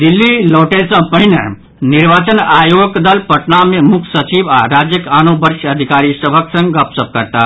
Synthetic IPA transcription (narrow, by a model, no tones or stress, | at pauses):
d̪ilːiloːʈesə̃pəɦinə | niɾʋaːt͡ʃənaːjoɡəkd̪əlpəʈnamẽmukʰsət͡ʃibaɾaːd͡ʒjəkaːnobəɾʃəd̪ʱikaːɾisəbʱəksə̃ŋɡɡəpsəp̚kəɾt̪a